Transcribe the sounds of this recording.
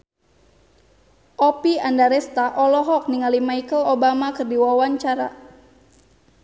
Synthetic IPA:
ʔɔpiandaɾɛst̪aʔɔlɔɦɔk̚niŋalimajkəlobamakɨrdiwawaɲt͡ʃaɾa̰

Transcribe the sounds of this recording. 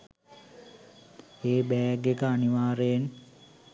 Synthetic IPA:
eːbɛːɡekəaniʋaːɾejen

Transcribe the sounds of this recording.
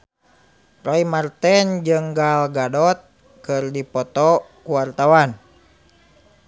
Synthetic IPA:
rɔimart̪ɛnd͡ʒɨŋɡalɡadɔt̪̚ | kɨrdipɔt̪ɔkuwart̪awan

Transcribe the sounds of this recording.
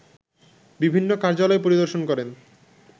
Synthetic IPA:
bibʱinːokaɾd͡ʑalɔep̬oɾid̪oɾʃonkɔɾen

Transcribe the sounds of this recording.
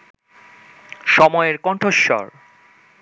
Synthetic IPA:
ʃɔmɔeeɾkɔɳʈʰoʃːɔ̰ɾ

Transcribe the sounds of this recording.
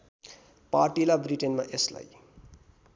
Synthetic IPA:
parʈilabriʈenma̰ʔesla̰j

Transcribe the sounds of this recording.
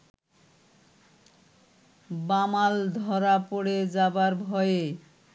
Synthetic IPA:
bamald̪ʱɔɾapoɽed͡zabaɾbʱɔje

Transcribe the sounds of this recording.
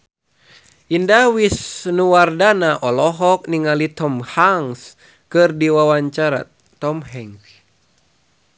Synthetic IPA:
ʔindawisnuwardanaʔɔlɔɦɔk̚niŋalit̪ɔmhaŋs | kɨrdiwawaɲt͡ʃaɾa̰ | ɔmhɛŋ

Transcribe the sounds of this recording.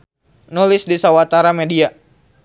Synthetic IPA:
nulɪsdisawat̪aɾamedia

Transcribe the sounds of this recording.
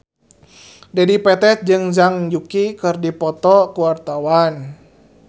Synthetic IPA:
dɛdipɛt̪ɛt̪̚d͡ʒɨŋzaŋd͡ʒukikɨrdipɔt̪ɔkuwart̪awan

